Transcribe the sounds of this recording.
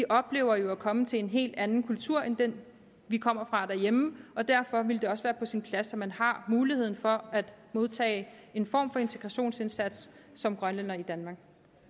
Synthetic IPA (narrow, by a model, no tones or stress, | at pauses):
ʋiʔɒ̽b̥le̝̰ːʊɐjo̝ækʰɒ̽mət͡sʰe̝le̝nɦe̝̰ːld̥ænn̩kʰult͡sʰuɐ̰end̥en | ʋikʰɒ̽m̰ɐfʁɑ̈d̥æɐjeməɒ̽d̥æɐ̰fɒ̽ʋe̝ld̥e̝ɒ̽sʋæːɐpʰɒ̽sinpʰlæsɒmænhɑ̈muːliheð̰ˠn̩fɒ̽æd̥mo̝ð̞ˠt͡sʰɛ̰ːɪe̝nfɒ̰ːmfɒ̽e̝nt͡sʰe̝ɡ̥ʁɑ̈ɕo̝̰ːnse̝nsæd̥ssɒ̽mɡ̥ʁɶnlænɐid̥ænmɑ̈ːɡ̥